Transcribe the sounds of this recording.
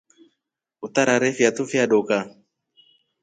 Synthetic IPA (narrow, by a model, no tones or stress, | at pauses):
ut̪aɾaɾɛfiat̪ufiaɗoka